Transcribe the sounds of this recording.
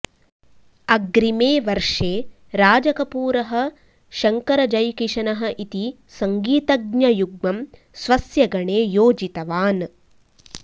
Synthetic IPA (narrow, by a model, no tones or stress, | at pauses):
ɐɡɾimeːʋɐɾʂeː | ɾaːd͡ʒɐkɐpuːɾɐɦɐ̆ | ʃɐŋkɐɾɐd͡ʒɐjkiʂɐnɐɦɐ̆ʔit̪i | sɐŋɡiːt̪ɐɡɲɐjuɡmɐm | sʋɐsjɐɡɐɳeːjoːd͡ʒit̪ɐʋaːn